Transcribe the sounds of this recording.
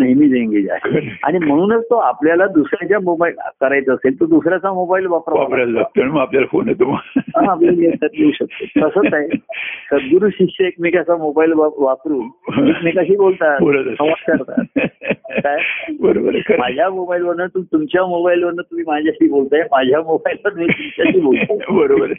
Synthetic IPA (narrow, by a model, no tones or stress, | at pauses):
nəjmiːd͡zeŋɡid͡za̰ɦḛa̰ɽ̃im̤əɽ̃uːnət͡st̪oapljalad̪usɾjat͡ɕjamobail̰kəɾajt͡səːselt̪od̪usɾjat͡samobailʋapɾʋapɾaət̪əɳiməapljalafonet̪umalɦãbleljet̪ːəɾd̪euɕək̚t̪ok̪əsəːaesədɡuɾuɕiɕəek̚mikat͡samobailʋaʋapɾuːnikmiːkəɕiːbolt̪abələt̪əsəʋat͡ɕəɾt̪a̰ | kajebəɾobəɾkmad͡ʑʱjamobailʋəɽɳət̪umt̪umt͡ɕjamobailʋəɽɳət̪um̤iːmad͡ʑʱjaɕiːbolt̪ajemad͡ʑʱjamobailʋat̪umiːt̪umt͡ɕjaɕiːbolt̪abəɾobəɾ